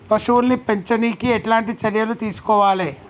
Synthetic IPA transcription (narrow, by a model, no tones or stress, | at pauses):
pɐʃuʋulnipeɲt͡ʃɐniːkiɛʈlaːɳʈit͡ʃɐɾjɐlut̪iːsu̥kɔːʋaːleː